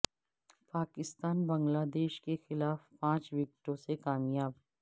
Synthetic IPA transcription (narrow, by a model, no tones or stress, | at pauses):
paːkɪst̪aːnbɐ̃ŋɡlaːd̪eːʃkexɪlaːfpãːt͡ʃʋɪk̚ʈõsekaːmjaːb